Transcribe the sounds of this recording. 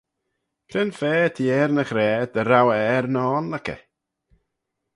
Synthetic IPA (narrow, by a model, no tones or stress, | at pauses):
kʰrɪnfɛːtʰiːɛrnəχrɛːdəɾawɛrnɔːnlakɛ̰